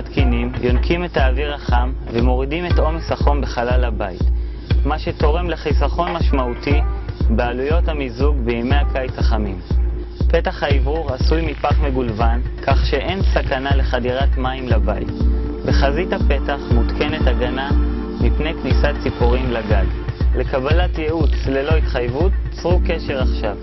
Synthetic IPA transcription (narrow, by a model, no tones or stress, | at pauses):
t̪kinimjʔo̞nkime̞taːviʁaχamvemo̞ʁidimeto̞mesaχo̞nbe̞χalalabait | maʃe̞t̪o̞ʁe̞mleχisaχo̞nmaʃmautibealujo̞thamizuɡbeime̞jakajt͡saχamimpe̞taχhaivuʁasujmipaχme̞ɡulvankʰaχʃe̞ʔe̞nsakanale̞χadiʁatmaimlabaḭtbeχazithape̞taχmutkʰe̞netaɡana | mipnejknisat͡sipuʁimlaɡaɡle̞kabalatjeʔut͡slelo̞it̪χajvutt͡sʁuke̞ʃe̞ʁaχʃav